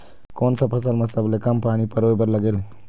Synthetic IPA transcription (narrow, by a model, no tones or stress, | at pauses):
konsə̃pʰəs̬əlmesəblekəmpanipəɾojbəɾləɡel